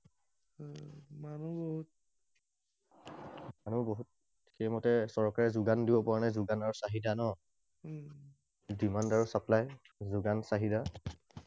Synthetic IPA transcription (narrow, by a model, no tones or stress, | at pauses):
manuboɦut̚ | manuboɦut̚ | xɛjmɔtɛsɔɹkaɹɛzʊɡandibɔpɔanajzʊɡanaɹusaɦidanɔ | dimandaɹʊsaplaj | zuɡansaɦida